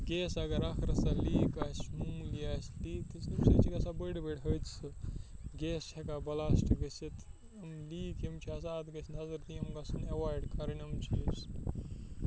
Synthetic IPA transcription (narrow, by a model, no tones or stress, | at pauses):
ɡeːsɐɡɐɾɐkʰɾɐsɐliːkaːsʲmumliaːsliːt̪ɨsumsit͡ʃʰiɡɐsabəɽbeɽɦət͡sʰɨɡeːst͡ʃʰekabɐlaːsʈʰiɡɐsit̪ | ɐmliːkimt͡ʃʰiɐsaːt̪ɡɐsnɐzɐɾt̪iɐmɡɐsunɐwaːɾɖkɐɾɐnʲɐmt͡ʃʰis